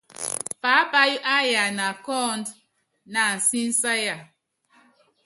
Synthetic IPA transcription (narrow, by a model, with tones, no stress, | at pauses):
pa˨˦pa˦ju˦ʔa˦ja˨na˨kɔ˦nd | na˨n̩˨si˦n˦sa˦ja˦˨